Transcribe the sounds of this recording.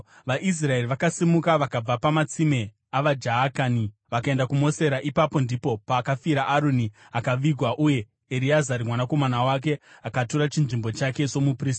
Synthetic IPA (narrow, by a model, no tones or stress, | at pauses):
ʋaʔis̬rae̞riʋakasimukaʋakab͡vapamat͡sime̞ | aʋad͡ʒaakaːniʋakae̞ndakumo̞se̞ɾaʔipapo̞ndipo̞paːkafiɾaʔaɾoni | akaʋiɡʱwaʔuje̞ | eɾiazaɾimwanako̞manawak̬e̞akatoɾat͡ʃinʐimbo̞t͡ʃake̞t͡ʃo̞mupriːs